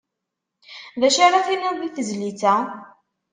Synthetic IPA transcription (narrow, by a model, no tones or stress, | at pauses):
ðæʃaɾaθinæðiθəzlit͡sæ